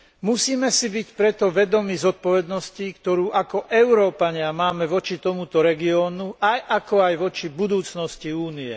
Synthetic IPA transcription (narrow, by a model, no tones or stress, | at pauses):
musiːmɛsibicpɾɛt̪ɔʋɛd̪ɔmiːzɔt̪̚pɔʋɛd̪nɔscikt̪ɔɾuːʔakɔʔɛʊɾɔːpaɲɪamaːmɛʋɔt͡ʃit̪ɔmut̪ɔɾɛɡiɔːnuʔajʔakɔajʋɔt͡ʃibud̪uːt͡snɔsciuːniɛ̰